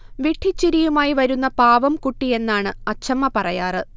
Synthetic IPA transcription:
ʋiʈʰːit͡ɕːiɾijumaːjiʋɐɾunːɐpaːʋɐmkuʈːije̞nːaːɳɨɐt͡ɕʰɐmːɐpɐrɐjaːrɨ

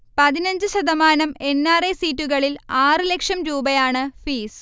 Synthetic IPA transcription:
pɐðinɐɲd͡ʑɨɕɐðɐmaːnɐme̞nːaːresiːtːuɣɐɭilaːrɨlekʂɐmɾuːbɐjaːɳɨfiːs

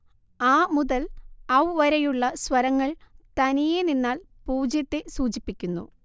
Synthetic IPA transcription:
aːmuðɐlɐwʋɐɾɐjuɭːɐswɐɾɐŋːɐɭt̪ɐnijeninːaːl | puːd͡ʑjɐt̪ːesuːt͡ɕipːikʲːunːṵ

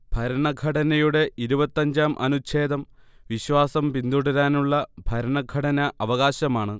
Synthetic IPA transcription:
b̥ʱɐɾɐɳɐɡʱɐɽɐnɐjuɽe̞ʔiɾubɐt̪ːɐɲd͡ʑaːmʔɐ̰nut͡ɕʰe̞ːd̪ɐmʋiɕʋaːsɐmpind̪uɽɐɾaːnuɭːɐbʱɐɾɐɳɐɡʱɐʈɐnɐʔɐʋɐɣaːɕɐmaːɳɨ

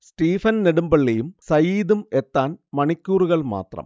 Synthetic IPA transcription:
sʈiːfɐnneɽumbɐɭːejumsɐjiːðumet̪ːaːnmɐɳikʲːuːruɣɐɭma̰ːt̪rɐ̰m

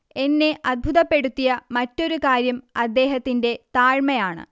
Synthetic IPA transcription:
e̞nːe̞ʔɐd̪̚bʱuðɐpːe̞ɽut̪ːijɐmɐtːo̞ɾukaːɾjɐmɐd̪ːe̞ːɦɐt̪ːinde̞t̪aːɻmɐjaːɳɨ̰

